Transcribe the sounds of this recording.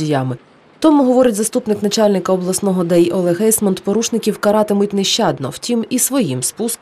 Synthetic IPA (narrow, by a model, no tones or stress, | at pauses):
ijɑmɪ | t̪ɔmʊɦɔʋɔɾʲɐtʲzɐst̪upnɪknɐt͡ʃɑlʲnɪkɐɔblˠɐsnɔɦɔd̪ɛjɔlˠɛɦɛjsmɔnt̪pɔɾuʃnɪkʲiwkɐɾɑt̪ɪmʊt̚ʲnɛʃt͡ʃɑd̪nɔwtʲimisʋɔjimspusk